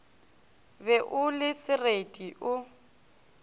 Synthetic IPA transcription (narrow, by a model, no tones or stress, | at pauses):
bɛʔʊlɪsɪretʼiʔʊ